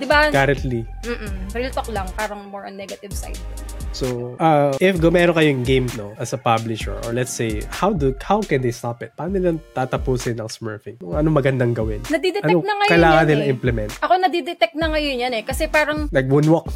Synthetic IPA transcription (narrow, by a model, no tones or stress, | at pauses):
d̪ɪbakaɾɐnt̪lim̩ːʔ̩bɾilt̪oklɐŋpaːɾɐŋmoɹʔɐnːɛɡɐt̪ɪvsa̰jd̪ɐsoʔaʔɪfɡomɛːɾoŋkɐjojŋɡejmnoʔɐsɐpablɪʃɛ̰ɹʔɔ̰ɹlɛt̪sejhawd̪hawkɛ̃nd̪ejst̪apɪt̪̚paːɾnonɪlɐŋt̪aːt̪ɐpusɪnːɐŋsmɛɹfɪŋkʊŋɐnomɐɡɐnd̪aŋɡɐwɪnnɐɡ̚d̪id̪ɛɐnonɐŋɐjkɐjlaːŋɐnɪlaʔɪmplɛmɛnt̪ʔɐko̞nɐd̪id̪ɛt̪ɛk̚nɐŋɐjonjɐnɛkɐsɛpaːɾɐŋnɐɡ̚wunwok